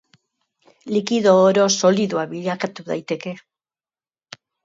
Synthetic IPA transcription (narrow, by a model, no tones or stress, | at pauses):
likiðo̞ːɾo̞so̞liðuaβiʎakat̪uða̰jt̪e̞ke̞